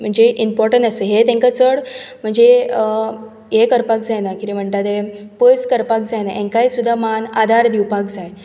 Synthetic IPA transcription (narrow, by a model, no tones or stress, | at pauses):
m̤əɳd͡zeʔimpɔɾʈəɳʈəseɦet̪ẽŋkat͡səɽm̤əɳd͡ze | ɦekəɾpak̚d͡zajnakit̪im̤əɳt̪at̪epəskəɾpak̚d͡zajnaʔẽŋkaɦisud̪ʱːamanad̪ʱaɾd̪iwpakd͡zaj